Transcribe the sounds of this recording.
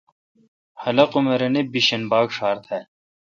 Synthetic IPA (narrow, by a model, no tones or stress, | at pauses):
hɐlɐqumɐɾɐnebiɕɐnbaːkʂaːɾt̪ʰhɛ